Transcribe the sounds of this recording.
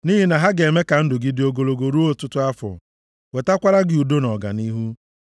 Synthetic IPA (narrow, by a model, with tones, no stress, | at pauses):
niː˦ɦi˨na˨ɦa˦ɡe˨me˦ka˨n̩˦dʊ˨ɡi˦dɪ˨˦o˨ɡo˨lo˨ɡo˨ɾu˦o˦tʊ˦tʊ˦a˦fʊ̰˨ | we˨ta˦kʷa˦ɾa˦ɡɪ˨u˨do˦nɔ˨ɡa̰˨ni˦ɦu˦